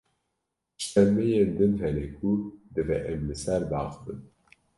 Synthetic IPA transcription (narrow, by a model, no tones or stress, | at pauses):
ʃɛmejend̪ɨnhɛnɛkʰud̪ɨvɛ̰ʔɛmlɨsæɾd̪ɑ̰ːχɨbɨn